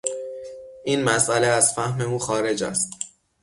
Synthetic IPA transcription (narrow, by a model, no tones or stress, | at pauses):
ʔiːnmæsʔæleæzfæhme̞uːxɒːɾe̞d͡ʒæ̰st̪